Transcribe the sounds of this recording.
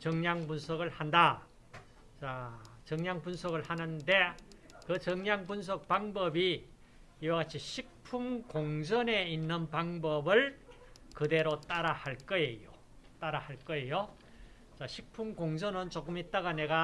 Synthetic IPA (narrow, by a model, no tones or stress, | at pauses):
t͡ɕʌŋɲaŋpunsʰʌɡɯɭhanda | t͡ɕat͡ɕʌŋɲaŋpunsʰʌɡɯɭhanɯndekɯt͡ɕʌŋɲaŋpuns̬ʰʌk̚paŋbʌbi | iwaɡat͡ɕʰiɕʰik̚pʰumkoŋd͡ʑʌne̞inːɯnpaŋbʌbɯɭ | kɯde̞ɾot͈aɾahaɭk͈ʌejo | t͈aɾahaɭk͈ʌe̞jo | t͡ɕaɕʰik̚pʰumkoŋd͡ʑʌnɯnt͡ɕok͈ɯmit̚t͈aɣane̞ɡa